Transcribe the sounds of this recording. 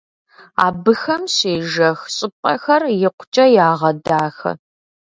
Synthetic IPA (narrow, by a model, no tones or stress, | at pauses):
a̰ːbɨxɐmɕeːʒɐxɕʼɪpʼɐxɐrjɪqʷʊt͡ʃʼɐjaːʁɐdaːxɐ̰